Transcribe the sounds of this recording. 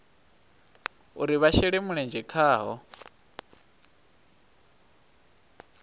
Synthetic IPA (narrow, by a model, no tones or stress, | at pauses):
uɾiβaʃɛɺɛmuɺɛnd͡ʒɛkʰaːɦɔ